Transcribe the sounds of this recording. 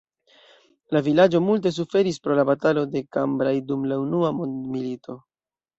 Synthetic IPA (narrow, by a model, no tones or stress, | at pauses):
lavilad͡ʒo̞mult̬e̞s̬ufe̞ɾispɾo̞labatalo̞de̞kambɾajdumlaunuamondmilito̞